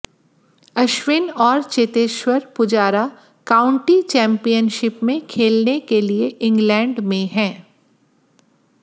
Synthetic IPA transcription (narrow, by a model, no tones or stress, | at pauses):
ɐʃwɪnɔːɾt͡ʃet̪eːʃwəɾpʊd͡ʒaːɾa | kaːʊ̃ɳʈit͡ʃɛ̃ːmpijənʃɪpmẽkʰeːlnekelieʔɪ̃ŋɡlɛ̃ːɳɖmẽɦɛ̃ː